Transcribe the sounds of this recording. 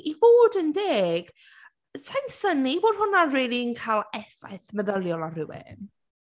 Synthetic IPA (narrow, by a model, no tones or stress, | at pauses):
iboːdəndeːɡ̥ | sʰansəniːboːd̥hʊnareːlˠiənkʰajlˠɛθa̰jθmɛðəlˠjɔlˠarɪwɛ̰n